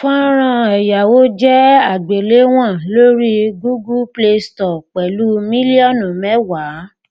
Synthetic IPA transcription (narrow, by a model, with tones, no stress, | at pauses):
fɔ̃˦ɾ̃ã˧ɛ˨ja˨wo˦d͡ʒɛ˦a˨ɡ͡be˨le˨˦w̃ɔ̃˦˨lo˦ɾi˦ɡu˦ɡu˦ple˧stɔ˨k͡pɛ˨lu˦mĩ˦li˦ɔ˦˨nũ˨mɛ˨˦wa˨˦